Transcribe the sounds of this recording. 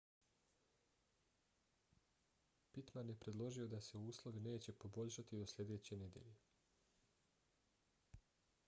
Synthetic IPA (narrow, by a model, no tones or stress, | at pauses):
pit̪manje̞pɾe̞d̪lˠo̞ʒio̞d̪ase̞uuːslˠo̞ʋine̞ːt͡ɕe̞po̞bo̞ʎʲʃat̪id̪o̞slʎʲe̞d̪e̞ːt͡ɕe̞ne̞d̪je̞̰ʎe̞